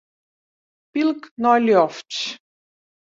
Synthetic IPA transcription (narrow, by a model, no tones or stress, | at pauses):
pilknɔlʲɔft͡ɕ